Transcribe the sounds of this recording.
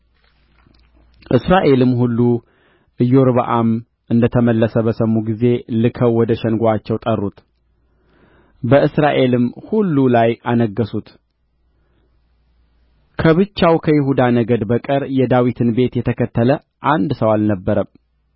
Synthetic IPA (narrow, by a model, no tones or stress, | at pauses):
ʔɨsɾaʔe̞lɨmːɦulːu | ʔɨjːoɾbə̰ʔam | ʔɨnd̪ət̪ʰəməlːəsəbəsəmːuɡize̞lɨkʰəwːɔd̪əʃɛnɡʷat͡ʃːɛwt̪ʼərːut̪ | bəʔɨsɾaʔe̞lɨmhulːulajʔanəɡːəsut̪ | kʰəβɨt͡ʃːawkʰəjɪɦud̪anəɡəd̪bəkʼəɾjɛd̪awit̪ʰɨnbe̞t̪jɛt̪ʰəkʰət̪ʰːələ | ʔand̪səwalnəbːəɾə